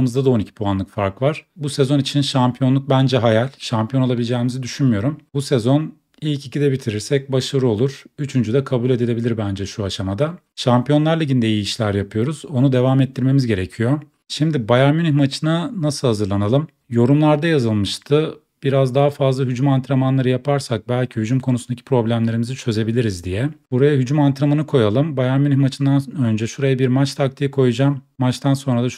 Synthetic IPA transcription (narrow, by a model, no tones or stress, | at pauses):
mɯzd̪ad̪aonicʰi̥pʰuanlˠɯkfaɾkvaɾ̥busɛzo̞nit͡ʃʰinʃampʰijo̞nlˠuk̚bænd͡ʒɛɦajalʲʃampʰijo̞nolˠabilʲd͡ʒɛːmizid̪yʃynmyjo̞ɾumbusɛzo̞n | ilʲcicid̪ɛbit̪ʰiɾiɾsɛc̚baʃaɾɯo̞lˠuɾ̥yt͡ʃʰynd͡ʒyd̪ɛkʰabulʲe̞d̪ilʲe̞bilʲiɾbænd͡ʒɛʃuaʃamad̪a | ʃampijo̞nlˠaɾlʲˠeɟind̪ejiiiʃlʲæɾjapʰɯjo̞ɾuzo̞nud̪e̞vaːmɛt̪ʰːiɾme̞mizɟe̞ɾecʰijo̞ | ʃimd̪ibajaɾmynimat͡ʃʰɯnanasɯlˠhazɯɾlˠanalˠɯm | jo̞ɾumlˠaɾd̪ajazɯlˠmɯʃt̪ʰɯ | b̥iɾazd̪aɦafazlˠaɦyd͡ʒumant̪ʰɾamanlˠaɾɯjapʰaɾsak̚bælʲcʰihyd͡ʒumkʰo̞nusund̪acʰipʰɾo̞blʲæmlʲe̞ɾimizit͡ʃʰø̞ze̞bilʲiɾizd̪ijɛbuɾajaɦyd͡ʒumant̪ʰɾamanɯkʰo̞jalˠɯmbajaɾmynimat͡ʃʰɯnd̪anø̞nd͡ʒɛʃuɾajabiɾmat͡ʃt̪ʰak̚t̪ʰijikʰo̞jud͡ʒamːat͡ʃt̪ʰanso̞nɾad̪a